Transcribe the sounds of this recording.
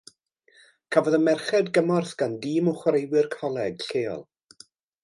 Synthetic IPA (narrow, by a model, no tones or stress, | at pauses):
kʰavɔðəmɛrχɛdɡəmɔrθɡ̥andiːmɔχwɾejwɪrkʰɔlˠɛɡ̥ɬeːɔ̰lˠ